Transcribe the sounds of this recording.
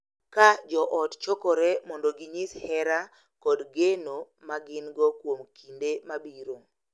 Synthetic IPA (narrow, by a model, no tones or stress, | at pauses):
kad͡ʒɔʔɔtt͡ʃokɔɾemɔndoɡɪɲishɛɾa | kɔdɡeno | maɡɪnɡɔkwomkʰindemabiɾo